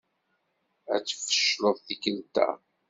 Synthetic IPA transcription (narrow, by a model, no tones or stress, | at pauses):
æt͡sːfə̥ʃloðˤθikəlt̪æ̰